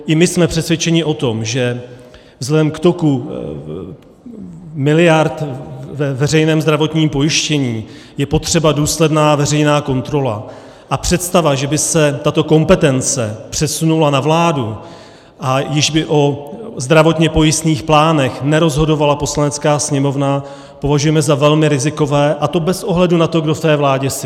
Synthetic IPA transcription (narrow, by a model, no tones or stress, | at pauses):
ʔɪmɪsmɛpr̥ɛsvʲjɛt͡ʃɛɲɪʔo̞t̪o̞mʒɛ | vzlɛɛdɛmkt̪o̞ku | mɪlɪjaɾt̪vɛvɛrɛjnɛːmzd̪ɾavo̞t̪ɲiːmpo̞jɪʃcɛɲiː | jɛpo̞t̪r̝̥ɛbaduːslɛdnaːvɛrɛjnaːko̞nt̪ɾo̞la̰ | ʔapr̝̥ɛt̪st̪avaʒɛbɪsɛt̪at̪o̞ko̞mpɛt̪ɛnt͡sɛ̰pr̥ɛsunulanavlaːdu | ʔajɪʒbɪʔo̞zd̪ɾavo̞t̪ɲɛpo̞jɪst̪niːxplaːnɛxnɛɾo̞zɦo̞do̞valapo̞slanɛt͡skaːsɲɛmo̞vna | po̞vaʒujɛmɛzavɛlmɪɾɪzɪko̞vɛːʔat̪o̞bɛsʔo̞ɦlɛdunat̪o̞ɡdoft̪ɛːvlaːɟɛs